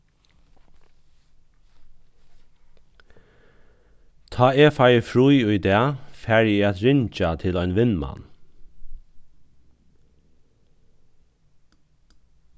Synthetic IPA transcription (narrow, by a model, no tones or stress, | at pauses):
t̪ʰɑːeːfaɪəfɹujʊjd̪ɛːfæːɹjɪat̪ɹɪɲt͡ʃat̪ʰɪlœʏnʋɪnma̰n